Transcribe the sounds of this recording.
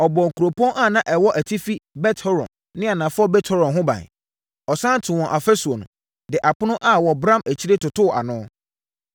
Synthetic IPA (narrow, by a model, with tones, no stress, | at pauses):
ɔ˨bɔ̃˨ŋ̩˨ku˨ɾo˨pʰɔ̃˦ʔa˦˨nã˦ʔɛ˨wɔ˦ʔæ˨tʰi˦fi˦bɛ˦tʰɔ˦ɾɔ̰̃˨ | nɪ̃˦a˨nã˨fʊ˦ɔ˦bɛ˦tʰɔ˦ɾɔ̃˨ɦʊ̃˦bã̰˨ | ɔ˨sã˦n˦tʰɪ˨wɔ̃˨ʔa˨fɛ˦su˨o˨nʊ̃˨ | dɪ˨ʔa˨pʊ˦nʊ̃˦ʔa˦wɔ˨bɾã˦mæ˨t͡ɕʰi˦ɾe˦tʊ˨tʊ˦˨ʔa̰˨nʊ̃˦